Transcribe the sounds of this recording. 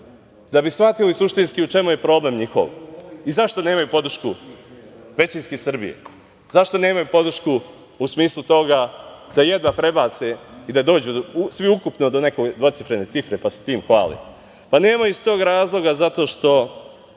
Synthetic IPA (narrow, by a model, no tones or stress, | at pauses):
d̪abisʋat̪ilisuʃt̪inskiut͡ʃe̞muje̞pɾo̞ːble̞mɲixo̰ʋizaʃt̪o̞ne̞ːmajupo̞d̪r̩ʃku | ʋe̞t͡ɕinskisr̩bḭjḛ | zaʃt̪o̞ne̞ːmajupo̞d̪r̩ʃku | usmiːslˠut̪o̞ɡad̪̥aje̞d̪ʋapɾe̞bat̪seid̪ad̪o̞ːd͡ʑusʋiukupnod̪o̞ne̞koɡd̪ʋo̞t̪sifɾe̞ne̞tsifɾe̞pase̥t̪iːmxʋa̰ːlḭ | pane̞ːmajust̪o̞ːɡɾaːzlˠo̞ɡazat̪o̞ːʃt̪o̞